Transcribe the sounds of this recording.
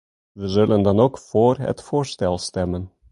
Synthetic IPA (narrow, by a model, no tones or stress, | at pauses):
ʋəzɵlənd̪ɑnokfoːrɦə̰tfoːɹstɛlˠst̪ɛmən